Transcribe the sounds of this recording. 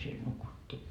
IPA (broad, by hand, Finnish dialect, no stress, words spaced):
siel nukutːiː